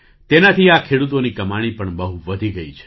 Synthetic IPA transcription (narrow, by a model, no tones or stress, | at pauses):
t̪enat̪ʰiakʰeɽut̪onikəmaɽ̃ipəɳbəɦuʋəd̪ʱiɡəit͡ʃʰe̥